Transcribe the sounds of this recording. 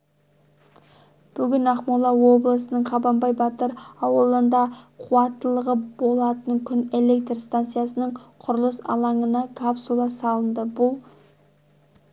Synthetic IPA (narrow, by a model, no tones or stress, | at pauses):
b̥ʏɡʲɪnɑχmulˠɑwo̞blˠəsənəɴqʰɑbɑmbɑjbɑt̪əɾɑwəlˠənd̪ɑqʰuɑt̪ːəlˠəʁəbo̞lˠɑt̪ənkʲʰʏne̞le̞k̚t̪rst̪ant̪sɨijasənəɴqʰʊɾəlˠəsɑ̰lˠɑɴənɑkʰapsulˠɑsɑlˠənd̪əbʊlˠ